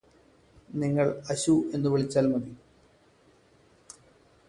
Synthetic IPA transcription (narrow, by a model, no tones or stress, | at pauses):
niŋːɐɭɐɕue̞nːuʋiɭit͡ɕːaːlmɐði